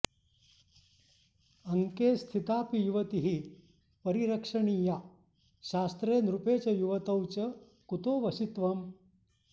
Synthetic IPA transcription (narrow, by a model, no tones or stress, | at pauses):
ɐŋkest̪ʰit̪aːpijuʋɐt̪iɦiː | pəɾiɾɐkʂɐɳiːjaː | ɕaːst̪ɾeːnɾupeːt͡ɕɐjuʋɐt̪ɐwt͡ɕɐ | kut̪oːʋɐsit̪ʋɐm